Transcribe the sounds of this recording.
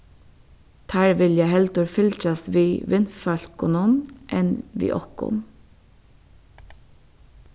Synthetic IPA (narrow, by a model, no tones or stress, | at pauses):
t̪ʰæːɹʋɪljæhɛlt̪əɹfʏlc͡çɑsʋiːʋɪnfɑlkʊnuːnʔɛnʋḭːʔɔkʊ̰n